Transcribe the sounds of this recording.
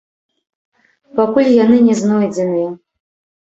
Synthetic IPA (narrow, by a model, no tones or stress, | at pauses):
pʰakʷulʲjanɨnʲeznojd͡zanɨj